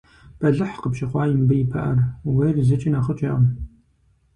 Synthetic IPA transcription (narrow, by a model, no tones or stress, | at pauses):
pɐɮɨħqəpʃɪχʷɑːjɪmbɐjɪpʰɐ̰ʔɐ̰rweːrzɨt͡ʃʼɪnaːχət͡ʃʼeʔɐm